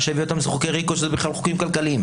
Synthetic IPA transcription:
ʃeviot̪amzχukejʁikoʃezɛbiχlalχo̥kimkalkaliːm

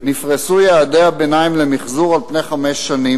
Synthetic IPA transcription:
nifʁesujeːd̪eabenaimlemiχzuʁalpne̞jχameʃːani

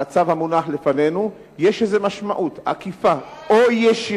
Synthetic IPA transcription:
at͡savhamunaħlefane̞nu | jeʃezemaʃmaʔut̪a̰kifaʔojeʃi

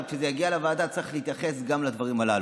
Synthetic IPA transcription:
kʃezejaɡialavaːd̪at͡sʁiχleit̪jaχe̞sɡamlad̪vaʁimalal

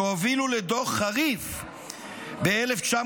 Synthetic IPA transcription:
oviluled̪oχːaʁiv | beeleft͡ʃa

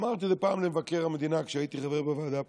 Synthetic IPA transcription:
maʁt̪̬ilepaːmlemvakeʁhamed̪inakʃait̪iχaveʁbevaːd̪a

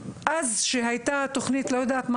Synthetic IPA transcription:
ʔazʃeɦajt̪at̪oχnit̪lojod̪aːt̪ma

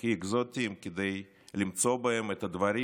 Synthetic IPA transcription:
kiiɡzot̪ʲimkʲed̪ej | limt͡so̞baemɛt̪ɐd̪vɐɾi

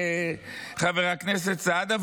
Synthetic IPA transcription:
χaveʁaknes̬ett͡sad̪av

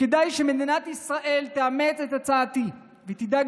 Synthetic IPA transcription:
kedajʃemed̪inat̪isʁaʔe̞lt̪eame̞t͡set̪at͡saːt̪i | vet̪id̪aɡ

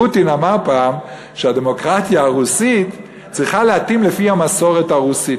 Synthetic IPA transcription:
utinamaʁpaːm | ʃeade̞mo̞kʁatjaaʁusit | t͡sʁiχaleatimlefihamaso̞ʁethaʁusit

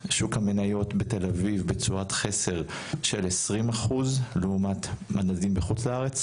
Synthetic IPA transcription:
ʃukhamenajo̞tbet̪e̞lavivbet͡suatχese̞ʁ | ʃelesʁimaχuzleumat̪manazimbeχut͡slaaʁet͡s

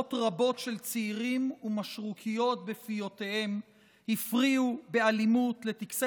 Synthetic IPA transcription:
otʁabo̞tʃe̞lt͡siːʁimumaʃʁukʰijo̞tbe̞fijo̞tehe̞m | hifʁiube̞alimutle̞t̪iks

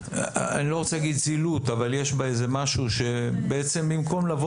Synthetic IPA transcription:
a̰nilo̞ʁot͡selaɡid̪̚t͡silut̪avaljeʃbaeze̞maʃuʃe̞beet͡se̞mbimko̞mlavo

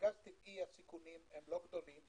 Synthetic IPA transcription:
ɡast̪ikiasikunimɛ̃ndlokd̪olim

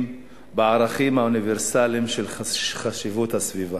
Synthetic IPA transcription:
m | beaʁaχimhauniveʁsalimʃelχaʃivuthasviva

